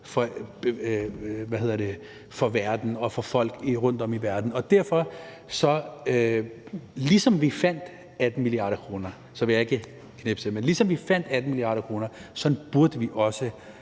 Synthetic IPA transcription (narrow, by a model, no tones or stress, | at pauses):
fɒ̽ | ʋæhe̝ð̞̰ˠɐd̥e̝ | fɒ̽ʋæɐd̥n̩ɒ̽fɒ̽fɒ̽l̰ɡ̥iʁɔ̽n̰d̥ɒ̽miʋæɐd̥n̩ɒ̽d̥æɐ̰fɒ̽ | sɒ̽ | lisɒ̽mʋifæn̰d̥ | æd̥n̩miliɑ̈ːɾ̥ɐkʰʁo̝ːnɐ | sɒ̽ʋe̝jɑ̈e̝ɡ̥ə | kʰneb̥sʰemenlisɒ̽mʋifæn̰d̥æd̥n̩miliɑ̈ːɾɐkʰʁo̝ːnɐsɒ̽n̩b̥uɐd̥əʋiʔɒ̽sə